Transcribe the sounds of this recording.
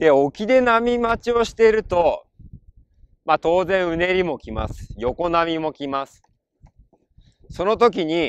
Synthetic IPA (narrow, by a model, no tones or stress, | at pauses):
d̪̥e̞o̞kʲid̪e̞namʲimat͡ɕio̞ɕi̥t̪e̞ɾɯ̟t̪o̞ | mat̪o̞ːzẽɰ̃ɯ̟ne̞ɾʲimo̞kʲima̰sɨ̥jo̞ko̞namʲimo̞kʲimasɨ̥ | so̞no̞t̪o̞k̬ʲiɲ̟i